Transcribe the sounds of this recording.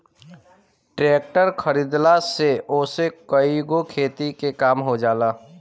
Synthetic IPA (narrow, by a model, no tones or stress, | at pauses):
ʈɾeːk̚ʈəɾkʰəɾiːd̪laseoːsekəiɡokʰeːt̪ikekaːmɦod͡ʒaːlaː